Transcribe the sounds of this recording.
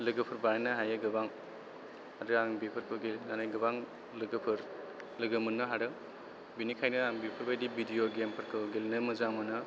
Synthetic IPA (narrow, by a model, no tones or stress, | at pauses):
lɯɡɯpʰɯɾbaɾenɯɦajɯɡɯbaŋ | haɾɯaŋbipʰɯɾkʰɯɡelnanajɡɯbaŋ | lɯɡɯpʰɯɾ | lɯɡɯmɯnːɯɦaɾɯ | binikʰajnɯaŋbipʰɯɾbajdibidijoɡempʰɯɾkʰɯɡelnɯmɯzaŋmɯnɯ